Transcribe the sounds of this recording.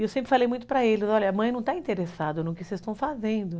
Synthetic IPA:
ewsẽmpɾɪfalejmũj̃t̪ʊpɾɐelɪzɔlʎɐɐmɐ̃j̃nɐ̃w̃t̪aĩnt̪eɾesad̪ɐnʊkɪsest̪ɐ̃w̃fazẽnd̪ʊ

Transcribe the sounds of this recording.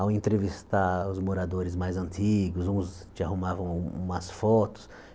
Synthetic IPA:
awẽnt̪ɾevist̪aɾʊzmoɾad̪oɾɪzmajzɐ̃nt̪iɡʊzũst͡ʃɪahumavɐ̃w̃ũmɐsfɔt̪ʊ̥s

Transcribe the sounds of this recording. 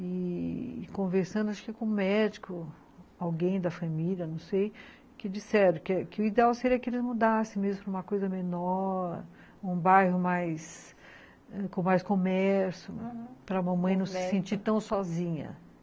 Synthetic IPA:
ɪ | kõveɾsɐ̃nd̪ʊaʃkɪkõmɛd͡ʒikʊ | awɡẽj̃d̪ɐfɐ̃miliɐnɐ̃w̃sej | kɪd͡ʒisɛɾɐ̃kkɪʊid̪eawseɾiɐkɪelɪzmud̪asẽj̃mezmʊpɾɐũmɐkojzɐmenɔɾ | ũbajhʊmajs | ɛkõmajskõmɛɾsʊpɾɐmɐ̃mɐ̃j̃j̃nɐ̃w̃sɪsẽnt͡ʃiɾt̪ɐ̃w̃sɔzĩɲɐ̰

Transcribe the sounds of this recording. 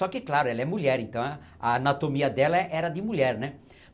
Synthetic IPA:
ɔkɪklaɾʊɛlɐɛmuʎɛɾẽnt̪ɐ̃w̃ɐ | ɐːnat̪omiɐd̪ɛlɐʔɛɾɐd̪ɪmuʎɛɾnɛ

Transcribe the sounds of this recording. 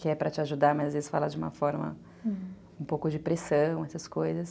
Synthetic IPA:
kɪɛpɾɐt͡ʃɪaʒud̪aɾmɐzazvezɪsfa̰lad͡ʒɪũmɐ̰fɔɾmɐ̰ | ũpowkʊd͡ʒɪpɾesɐ̃w̃ɛsɐskojzɐs

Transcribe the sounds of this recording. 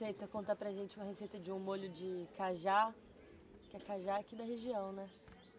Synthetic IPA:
sejt̪ɐkõt̪apɾɐʒẽnt͡ʃɪumɐɦesejt̪ɐd͡ʒɪũmoʎʊd͡ʒɪkaʒa | kɪɛkaʒaakid̪ɐɦeʒiɐ̃w̃nɛ

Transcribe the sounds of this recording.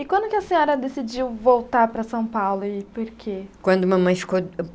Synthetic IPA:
ɪkwɐ̃nd̪ʊkɪɐsẽɲɔɾɐd̪esid͡ʒiwvowt̪aɾpɾɐsɐ̃w̃pawlʊɪpoɾkʰekwɐ̃nd̪ʊumɐmɐ̃j̃fi̥ko

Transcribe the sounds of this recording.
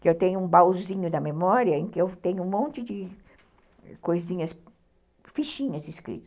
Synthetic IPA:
kɪewt̪ẽɲʊũbawzĩɲʊd̪ɐmemɔɾiɐẽkɪewt̪ẽɲʊũmõnt͡ʃɪd͡ʒɪ | kojzĩɲɐs | fiʃĩɲɐzɪskɾḭt̪ɐ̥s

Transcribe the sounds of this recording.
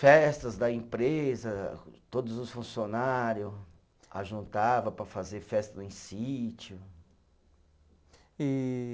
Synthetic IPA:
fɛst̪ɐzd̪ɐẽpɾezɐt̪od̪ʊzʊsfũsionaɾjʊ | a̰ʒũnt̪avɐpɾɐfazeɾfɛst̪ɐẽj̃sit͡ʃʊ | i

